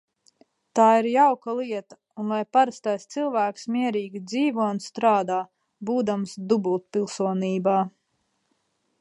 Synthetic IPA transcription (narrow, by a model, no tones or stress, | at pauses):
t̪aːiɾjawkalˠiɛt̪ḁ | unlˠajpaɾast̪ajst̪silˠvæːksmiɛɾiːɡʲid̪ziːvuɔunst̪ɾaːd̪aː | buːd̪amsd̪ubulˠt̪̚pilˠsuɔniːbaː